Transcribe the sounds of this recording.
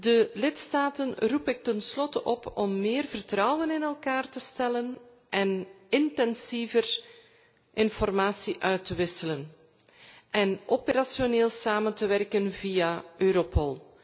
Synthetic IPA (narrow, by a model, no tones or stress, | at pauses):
dəlɪtstaːtənrupɪk̚tənslɔtəʔɔpɔmːeːrvərtrɑwənɪnɛlˠkaːrtəstɛlən | ʔɛn | ɪntɛnsivər | ʔɪnfɔrmaːsiʔœɥtəʋɪsələn | ʔɛnʔopəɾasjoneːlˠsaːməntəʋɛrkənvijaøːɾopɔlˠ